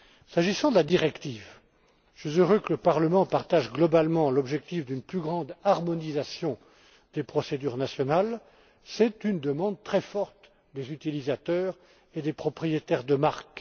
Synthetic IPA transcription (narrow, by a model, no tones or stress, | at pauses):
saʒisɑ̃d̪əlad̪iʁɛkt̪iːv | sɥizøʁøkələpaʁləmɑ̃paʁt̪aʒɡlɔbalmɑ̃lɔbʒɛk̚t̪ifd̪ynplyɡʁɑ̃d̪aʁmɔnizasjɔ̃ | d̪̥epχɔsed̪yʁnasjɔnal | sɛt̪ynd̪əmɑ̃d̪̚t̪χɛfɔʁt̪ | d̪ezyt̪ilizat̪œːʁ | ed̪epχɔpχijet̪ɛʁd̪əmaʁk